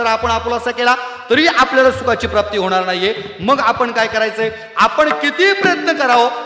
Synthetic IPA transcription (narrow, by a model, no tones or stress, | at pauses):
əɾapəɳaplaəsakelat̪əɾiːapljalasukat͡ɕiːpɾap̚t̪iːɦoɽ̃aɾnaɦje | məɡapəɳkajkəɾajt͡səe | apəɳkit̪iːpɾəjət̪nəkəɾaʋo